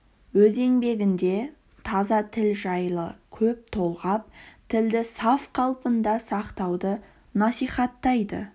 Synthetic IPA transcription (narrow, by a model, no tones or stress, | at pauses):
wɵze̞ŋbe̞ɡʲɪnd̪e̞ | t̪ʰɑzɑt̪ʰɪlʒɑjlˠəkʲʰɵp̚t̪ʰo̞lˠʁɑp̚t̪ʰɪld̪ɪsɑfqʰɑlˠpənd̪ɑsɑqt̪ɑwd̪ə | nɑsijχɑt̪ːɑjd̪ə̰